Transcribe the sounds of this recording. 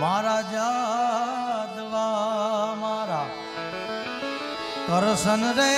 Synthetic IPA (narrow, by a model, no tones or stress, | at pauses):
maːɾaːd͡ʒaː | d̪laːmaːɾaː | k̪əɾsənɾe